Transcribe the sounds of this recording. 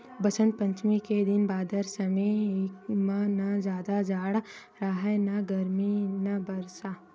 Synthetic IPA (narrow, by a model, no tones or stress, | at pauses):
bɐsə̃nt̪̚pɐ̃ɲt͡ʃmiked̪ɪnbaːd̪əɾsɐmekmãnazjaːd̪ad͡ʒaːɽ | ɾaɦɛnɐɡɐɾminabɐɾsaː